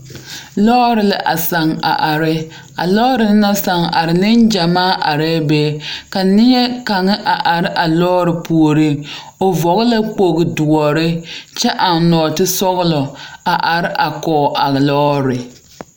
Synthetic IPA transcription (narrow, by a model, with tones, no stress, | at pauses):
lɔ˦ɾɪ˨lɪ˦ʔa̰˨sa˨ŋa̰˨ʔa˨ɾɪ˦ | a̰˨lɔ˦ɾɪ˨lna˦sa˨ŋa̰˨ɾɪ˨lɪ˦nd͡ʒa˨maː˦ʔa˨ɾɛː˦bɛː˦˨˦ka˨nɪ˦ɲɛ˦ka˨ŋɪ˦ʔa˨ʔa˨ɾɪ˦ʔa˨lɔː˦ɾɪ˨pu˨o˨ɾɪ˦ | o˨vɔ˨ɣɪ˦la˦k͡po˨ɣɪ˨dʊ˨ɔ˨ɾɪ˦t͡ʃɛ˦ʔa˨n˦nɔː˨tɪ˦sɔ˦ɣlɔ˨a˨ʔa˨ɾɪ˦ʔa˨kɔː˨ʔa˨ɣlɔː˦ɾɪ˨